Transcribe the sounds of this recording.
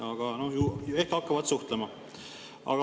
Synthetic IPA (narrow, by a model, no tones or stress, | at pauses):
ɑɡ̥ɑno̞hjuːjue̞hkɑkːɑvɑd̪suht̪lemɑ | ɑ̰ɡ̥ɑ